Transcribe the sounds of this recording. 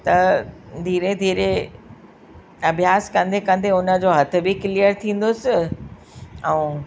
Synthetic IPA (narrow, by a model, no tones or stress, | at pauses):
t̪ɐd̪ʱiːɾed̪ʱiːɾe | ɐbʱjaːskɐ̃nd̪ekɐ̃nd̪eʊnə̆d͡ʑoːɦɐt̪ʰɪ̆biklijəɾt̪ʰĩːn̆d̪oːsɪ | ɛ̃ː